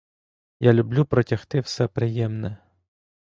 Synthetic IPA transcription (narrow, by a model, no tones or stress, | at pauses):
jalʲʊblʲupɾɔtʲaxt̪ɪwsɛpɾɪjɛmnɛ